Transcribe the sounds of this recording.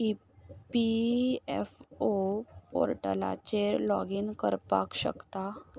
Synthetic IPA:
i | piɛfopo̰ɾʈəla̰t͡ɕeɾlɔɡiːnkəɾpa̰kɕə̰kt̪a

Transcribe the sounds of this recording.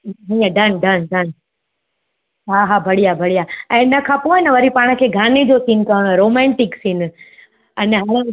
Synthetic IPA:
ɦĩːə̃ɖʱɐnɖʱənɖən | ɦaɦabʱɐɽijabʱɐɽijaːɛ̃ːnəkʰãpoːɪnəʋɐɾipaːɽ̃əkʰeːɡʱaːned͡ʑosinkɐɦəɽ̃ɛ̃ɾoːmɛ̃ːɳʈɪksinɪ̆ | ɐnɛɦaɽ

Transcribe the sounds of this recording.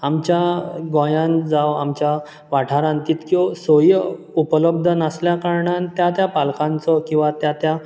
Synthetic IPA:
amt͡ɕjaɡɔ̃jãnd͡zaʋamt͡ɕja | ʋaʈʰaɾãnt̪iːt̪kiɔsojə | upələbd̪ʱənasljakaɾɳant̪jat̪japalkãnt͡sɔkĩw̃ʋat̪jat̪ja

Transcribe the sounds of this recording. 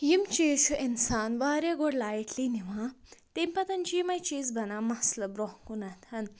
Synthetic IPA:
jimt͡ʃiːsʔinsaːnʋaɾeɡoɽlaːjeʈʰliniʋãt̪empɐt̪ɐnt͡ʃimɐjt͡ʃiːzbʱɐnamɐslɐbɾɔɦkunɐt̪ʰɐn

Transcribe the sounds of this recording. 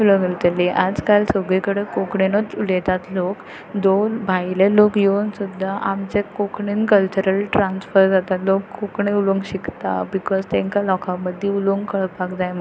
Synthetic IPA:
uləŋɡəɾt̪əlːeʔad͡zkalsəɡɭikəɽəkokɳenot͡sulet̪at̪lok | d̪obʱajlelokjensud̪ʱːaʔamt͡sekokɳinkəlt͡ɕuɾəlʈɾansfəɾd͡zat̪alokːokɳẽuloŋɡɕikt̪a̰bikɔzt̪ɛ̃ŋkalɔkʰaməd̪ʱːiuloŋɡkəɭpakd͡zajmə

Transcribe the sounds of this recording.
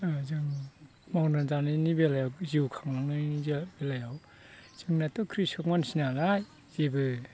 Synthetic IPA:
ɯzɯŋ | mawnazanɯnibelajawziwkʰaŋaŋnɯzbelajaw | z̥ɯŋnatɔkʰɾisɔk̚mansinalaj | zebɯ

